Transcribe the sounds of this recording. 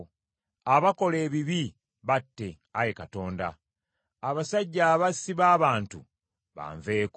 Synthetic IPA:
aβako̞le̞ːβiβi | βatːe̞ | ajekato̞ːnda̰ | aβasaɟːaːβasiβaːβaːntṵ | βa̰ːɱveːk

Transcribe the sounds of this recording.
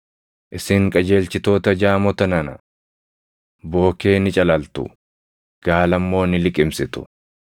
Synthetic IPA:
ʔɪsɪŋkʼɐd͡ʒe̞ːlt͡ʃɪt̪o̞ːt̪ɐd͡ʒaːmɔt̪ɐnɐnɐ | bo̞ːke̞ːnɪt͡ʃʼɐlɐlt̪ʊ̰ | ɡ̥aːlɐmːo̞ːnɪlɪkʼɪmsɪt̪ʊ̥̰

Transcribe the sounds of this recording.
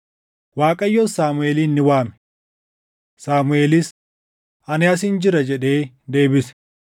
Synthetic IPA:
waːkʼɐjːɔsaːmʊeːliːnːɪwaːmɛ̥ | saːmʊe̞ːlɪs | ʔɐnɪɐsɪnd͡ʒɪɾɐd͡ʒɛᶑe̞ː | d̪e̞ːbɪsɛ̥

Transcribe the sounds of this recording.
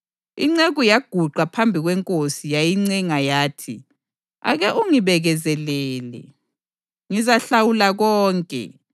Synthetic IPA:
ḭŋ͡ǀeɣujaɡ̥ʱuǃʱwapʰambʱiɣwɛŋkʼosijajiŋ͡ǀɛŋajaːtʰi | a̰ɣɛʔuŋiβɛɣɛzɛlɛːlɛ̰ | ŋizaɬawulaɣɔːŋkʼɛ̰

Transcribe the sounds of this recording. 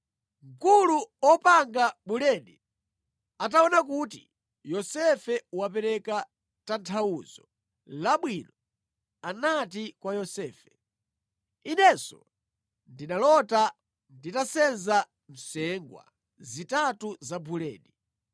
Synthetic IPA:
ŋkuluɔpaŋɡabulɛɗi | ataɔnak̬utḭ | jɔsɛfɛwapɛɾɛka | tantʰauzɔ | laɓwinɔ | anatikwajɔsɛːfɛ̥ | inɛsɔ̰ | ndinalɔta | nditasɛnza | m̩sɛŋɡwa̰ | zitatuzabulɛ̰ːɗi

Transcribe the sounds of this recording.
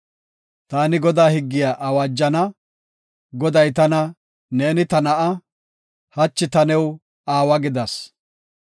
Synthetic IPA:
t̪aːnɪɡɔd̪aːhɪɡːɪjaʔɐwaːd͡ʒːɐnɐ | ɡɔd̪ɐjt̪ɐnɐ | ne̞ːnɪt̪ɐnɐʔɐ | hɐt͡ʃːɪt̪ɐnɛw | aːwɐɡɪd̪ɐs

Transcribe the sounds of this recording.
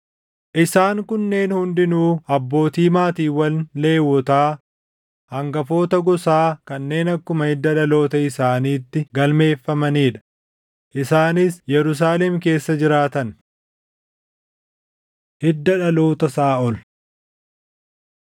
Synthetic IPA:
ʔɪsaːŋkʊnːe̞ːnhʊnd̪ɪnuːɐbːo̞ːt̪iːmaːt̪iːwɐlle̞ːwːɔt̪aː | hɐŋɡɐfo̞ːt̪ɐɡɔsaːkɐnːe̞ːnɐkːʊmɐhɪd̪ːɐᶑɐlo̞ːt̪ɐɪsaːniːt̪ːɪɡɐlme̞ːfːɐmɐniːᶑɐ̥ | ʔɪsaːnɪsjɛɾʊs̬aːlɛmke̞ːsːɐd͡ʒɪɾaːt̪ɐn | hɪd̪ːɐᶑɐlo̞ːt̪ɐsaːɔl

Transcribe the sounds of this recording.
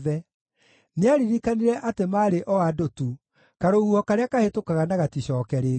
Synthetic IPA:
ðɛ | neaɾiɾikaniɾɛʔatemaːɾeʔɔwadotu | kaɾohuɔkaɾeakahetokaɣanaɣatiɕɔːkɛɾeː

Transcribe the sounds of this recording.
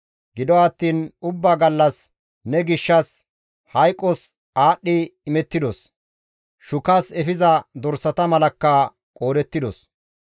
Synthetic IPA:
ɡɪd̪ɔɐt̪ːiːnʊbːaːɡɐlːɐs | nɛɡɪʃːɐs | hɐjkʼːɔs | aːɗːɪːmɛt̪ːɪd̪ɔs | ʃʊkɐsɛfɪzɐd̪ɔɾsɐt̪ɐmɐlɐkːɐ | kʼoːd̪ɛt̪ːɪd̪ɔ̰s

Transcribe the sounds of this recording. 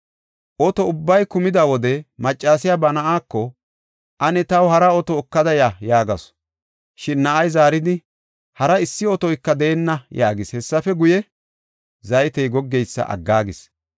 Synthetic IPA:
ʔɔt̪ɔʊbːɐjkʊmɪd̪ɐwɔd̪ɛmɐt͡ʃʼːaːs̬ɪjabɐnɐʔaːkːɔ | ʔɐnɛt̪ɐwhɐɾɐɔt̪ɔːkːɐd̪ɐjajaːɡɐs | ʃɪnːɐʔɐjzaːɾɪd̪ɪ | hɐɾɐɪsːɪɔt̪ɔjkːɐd̪ɛːnːɐjaːɡɪshɛsːɐfɛɡʊjɛ | zɐjt̪ɛjɡɔɡːɛjsːɐ̰ʔɐ̰ɡːaːɡɪs

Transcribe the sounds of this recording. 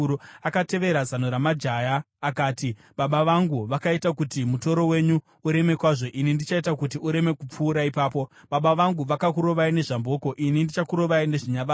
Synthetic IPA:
akate̞ʋe̞ɾazanoɾamad͡ʒajaː | kaːti | ɓaɓaʋaŋɡuʋakaitakutimuto̞ɾo̞we̞ɲu | uɾe̞me̞kwaːʐo̞ʔinindit͡ʃaitakutiuɾe̞me̞kup͡fuːɾaipaːpo̞ | ɓaɓaʋaŋɡuʋakakuɾo̞ʋaine̞ʐambo̞ko̞ʔinindit͡ʃakuɾo̞ʋaine̞ʐiɲaʋa

